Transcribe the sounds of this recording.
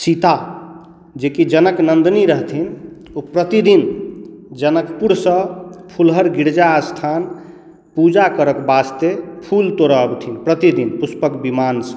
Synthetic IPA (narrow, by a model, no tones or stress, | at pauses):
sit̪a | d͡ʒekid͡ʒənəknənd̪niɾəɦt̪ʰin | opɾət̪id̪in | d͡ʒənəkpuɾsə̃pʰulɦəɾɡiɾd͡ʒaːst̪ʰan | pud͡ʒakəɾəkbast̪epʰult̪oɾəəbt̪ʰinpɾət̪id̪inpuspəkbimansə̥